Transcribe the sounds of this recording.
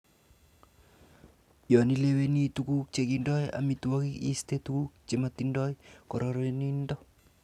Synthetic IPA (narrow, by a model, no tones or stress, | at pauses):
jɔnilewenitukuk̚t͡ʃekindɔja̰mituwakikḭst̪etukuk̚t͡ʃematindɔjkɔɾɔɾonindɔ